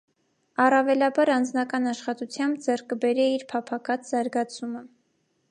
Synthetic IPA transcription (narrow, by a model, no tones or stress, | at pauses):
ɑrɑvɛlɑbɑɾɑnd͡znɑkɑnɑʃχɑt̪ut͡sʰjɑmbd͡zɛrkəbɛɾɛiɾpʰɑpʰɑkɑt͡sʰz̥ɑɾɡɑt͡sʰumə